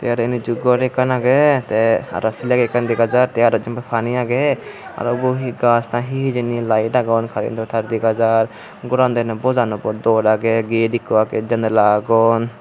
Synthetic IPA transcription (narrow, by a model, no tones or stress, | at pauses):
t̪ɛjaɾɔinid͡ʒuɡɔɾɛkanaɡɛt̪ɛa̰ɾasilaɡɛkand̪iɡad͡ʒaɾt̪ɛjaɾɔd͡ʒimbapʰaniaɡɛa̰ɾbuɦiɡasnãɦiɦid͡ʒenilajdaɡɔnkʰaɾḭnt̪ʰɔt̪ʰaɾd̪iɡad͡ʒaɾ | ɡɔɾand̪anabɔzanɔbɔd̪ɔɾaɡɛɡedikɔaɡɛd͡ʒənd̪laɡɔn